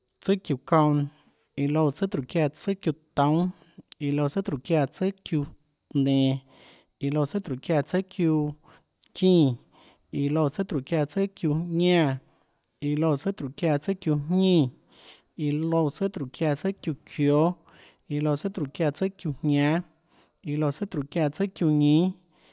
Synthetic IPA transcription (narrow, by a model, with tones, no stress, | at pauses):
t͡sə˦kju˧˨kõ˧wn | i˧lo˧t͡sɨ˦t̪ɾu˨kja˧˨t͡sə˦kju˧˨t̪õ˦ | i˧˨lo˧˨t͡sə˦t̪ɾu˨kja˧˨t͡sə˦kju˧ | nẽ˨ | i˧˨lo˧˨t͡sə˦t̪ɾu˨kja˧˨t͡sə˦kju˧ | kĩː˦˧˨ | i˧lo˧˨t͡sə˦t̪ɾu˨kja˧˨t͡sə˦kju˧ɲɲã˦˧ | i˨lo˧t͡sə˦t̪ɾu˨kja˧˨t͡sə˦kju˧ɲɲĩ˦˧ | i˧lo˧t͡sə˦t̪ɾu˨kja˧˨t͡sə˦kju˧kʰjo˦ | i˧lo˧t͡sə˦t̪ɾu˨kja˧t͡sə˦kju˧hɲɲã˦ | i˧lo˧˨t͡sə˦t̪ɾu˨kja˧˨t͡sə˦kju˧ɲĩ˦